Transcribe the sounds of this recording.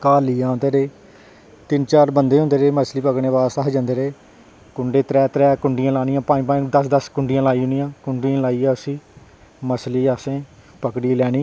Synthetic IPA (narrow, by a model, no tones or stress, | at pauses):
kaːliːãːnd̪eːɾeː | t̪ɪnt͡ʃaːɾbənd̪eːõːnd̪eːɾeːməsliːpəkɽeːʋaːsaɦd͡ʒãːnd̪eːɾeː | kʊɳɖeːt̪ɾɛːt̪ɾɛːkʊɳɖɪjãːlaːñɪjãːpãːĩpãːĩd̪əsd̪əskʊɳɖɪjãːlaːiːɦʊnijãːkʊɳɖiãːlaːiːaːəsĩː | məsliːaːsẽː | pəkɽiːlɛːɽ̃iː